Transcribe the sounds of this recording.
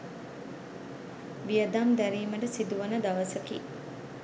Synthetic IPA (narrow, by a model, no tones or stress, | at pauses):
ʋijəd̪amd̪æɾiːməɖəsid̪uʋənəd̪aʋəsəkḭ